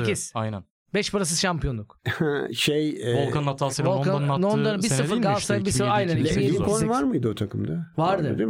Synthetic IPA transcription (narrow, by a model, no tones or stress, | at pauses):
ecʰiz̥ajnæn | bɛʃpʰaɾas̬ɯzʃampijo̞nˠukhɛʃejbolˠkʰanːat̪ʰalˠsɯlˠaananond̪anbisɯfɯɾɡalˠsajbisɯfɾajnæniiiɲjekʰonvaɾmɯjd̪ɨot̪ʰakʰɯmd̪avaɾd̪ɯd̪e